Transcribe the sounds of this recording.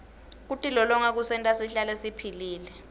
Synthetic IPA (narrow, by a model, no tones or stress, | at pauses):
k̬utʼilɔlɔŋak̬usɛntʼasiɬalɛsipʰiliːlɛ